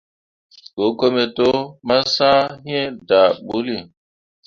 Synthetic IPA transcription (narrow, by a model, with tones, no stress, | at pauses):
ɡo˨˦ko˦me˨to˦ma˦sã˦ɦĩ˦ɛ˦da˨ɓu˦li˦˨